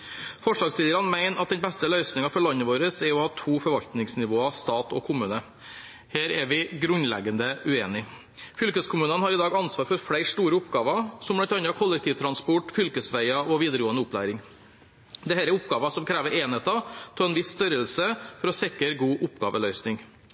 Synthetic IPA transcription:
fɔʂɭɑːɡslɪːəɾɑnmæɪnɑt̪̚d̪ɛnbɛst̪əlœʏsnɪŋɑfɔɭɑnːəʋoːɾəsɛɾɔhɑːt̪ʰuːfɔɾʋɑʎt̪nɪŋsnɪʋoːɑst̪ɑːt̪ɔ̰kʰʊmʉːnə | heːɾɛɾʋɪɡɾʉnlɛ̰ɡənd̪əʔʉeːnɪ | fʏlkəskʰʊmʉːnənhɑɾɪd̪ɑːɡɑnsʋɑːɾfɔɾfɽæɪʂt̪uːɾəʊpɡɑːʋɑsɔmbɑnt̪ʰɑnːɑkʰɔlːɛk̚t̪ʰiːʋt̪ʰɾɑnspɔʈːfʏlkəsʋæɪɑɔʋiːd̪əɾəɡoːənəʊplæ̰ːɾɪŋ | d̪ɛhæːɾɛɾʊpɡɑːʋɑsɔmkʰɾæːʋəɾʔeːnheːt̪ɑt̪ʰɔɛnʋɪsːt̪œɾəlsəfɔɾɔsɛkəɾɡuːʔʊpɡɑ̰ːʋəlœʏsnɪŋ

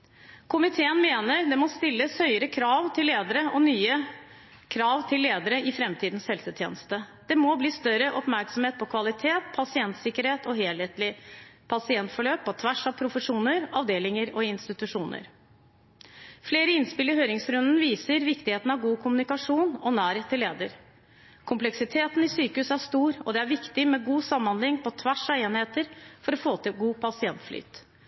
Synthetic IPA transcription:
kʰʊmɪt̪ʰeːənmeːnəɾd̪ɛmɔst̪ɪlːəshœʏəɾəkʰɾɑːʋt̪ʰɪlːeːd̪əɾəʔɔnyːə | kʰɾɑːʋt̪ʰɪlːeːd̪əɾəʔɪfɾɛmt̪ʰiːd̪n̩shɛlsət̪ʰjḛːnəst̪əd̪̥ɛmɔbliːst̪œɾəʔɔpmæɾksɔm̩heːt̪̚pʰɔkʰʋɑlɪt̪ʰeːt̪̚pʰɑsɪɛnt̪sɪkːəɾheːt̪ɔɦeːlheːt̪lɪpʰɑsɪɛnt̪fɔɭøːpʰːɔt̪ʰʋæʂɑʋpʰɾʊfəʂuːnəɾɑʋd̪eːlɪŋəɾɔɪnst̪ɪt̪ʉʂuːnə̰ɾ | fleːɾəɪnspɪlːəɦøːɾɪŋsɾʉnnʋiːsəɾʋɪkt̪ɪheːt̪n̩ɑʋɡuːkʰʊmʉnɪkɑʂuːnɔnæːɾət̪ʰɪlːeːd̪əɾ | kʰʊmplɛksɪt̪ʰeːt̪nɪsyːkəʉsæʂt̪uːɾɔd̪ɛæɾʋɪkt̪ɪmɛɡuːsɑmːɑnlɪŋːpʰɔt̪ʰʋæʂɑʋeːnheːt̪əɾfɔɾɔfoːt̪ʰɪɡuːpʰɑsɪɛnt̪fly̰ːt̪

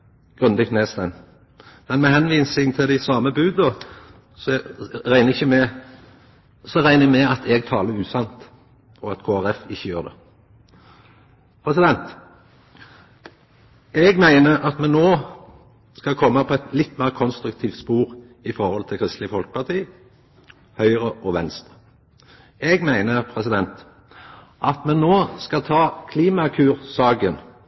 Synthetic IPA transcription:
ɡ̥ʁʉnd̪ɪɡt̪neːst̪æn | mɛnmɛhɛnʋiːsɪŋt̪ʰɪld̪æɪsɑːməbʉːd̪ə | sɔɾæɪnəɪçːəmɛ | sɔʁæɪnəɛmɛɑt̪ʰɛɡ̚t̪ʰɑːləʉːsɑnt̪ | ɔɑt̪kʰoːæʁɛfɪçːəjøːʁd̪ɛ̰ | pʰɾɛsɪd̪ɛnt̪ | ɛɡmæɪnəɑt̪mɛnnːoː | skɑkʰɔmːəpʰɔɛt̪lɪt̪ːmæːʁkʰɔnst̪ɾʉk̚t̪ʰiːft̪spuːʁ | ɪfɔʁhɔlt̪ʰɪlkʰʁɪst̪lɪəfɔlkə̥pʰɑt̪ʰiː | hœʏʁəʔɔʋɛnst̪ʁə̥ | ɛɡmæɪnəpʰʁɛsɪd̪ɛnt̪ | ʔɑt̪mɛnnoːskɑlt̪ʰɑːkʰliːmɑkʰʉːʁsɑːɡən

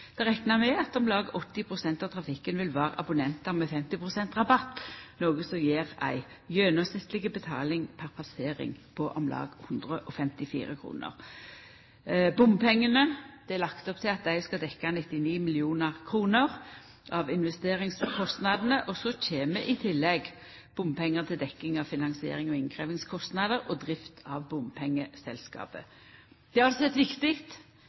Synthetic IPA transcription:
d̪̥ɛʁɛknəʁmɛɑt̪ɔmlɑːɡəʔɔt̪ːɪpʰʁʊsɛnt̪ɑʋt̪ʰʁɑfɪkːənʋɪlʋæːʁ̰ʔɑ̰bʊnɛnt̪ɑʁmɛfɛmt̪ɪpʁʊsɛnt̪ʁɑbɑt̪ːnoːɡəsɔjeːʁæ̰ɪ | jøːnɔsɪt̪lɪɡəbət̪ʰɑ̰ːlɪŋpʰæʁpʰɑseːʁɪ̰ŋpʰɔʔɔmlɑ̰ːɡhʊnd̪ʁəʔɔfɛmt̪ɪfḭːʁə̰kʰɾṵːnə̰ʁ | bʊmpʰɛŋːənəd̪̥ɛælɑkt̪ɔp̚t̪ʰɪlɑt̪̚d̪æɪskɑd̪ɛkːanɪt̪ːɪniːmɪlɪuːnəʁkʰʁuːnəʁ | ʔɑʋɪnʋɛst̪eːʁɪŋskʰɔst̪nɑd̪ənəʔɔsɔc͡çʰeːməʔɪt̪ʰɪlːɛɡ | b̥ʊmpʰɛŋːət̪ʰɪld̪ɛkːɪŋɑʋfɪnɑŋsɪḛːʁɪŋɔɪŋkʰʁeːʋɪŋskʰɔst̪nɑd̪əʁɔd̪ʁɪft̪ʰɑʋbʊmpʰɛŋːəsɛlskɑ̰ːpə | d̪̥ɛɑlsɔɛt̪ːʋɪkt̪ɪkt̪

